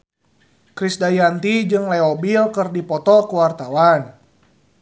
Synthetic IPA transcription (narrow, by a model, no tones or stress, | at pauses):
kɾisdajant̪id͡ʒɨŋlɛɔbilkɨrdipɔt̪ɔkəwart̪awan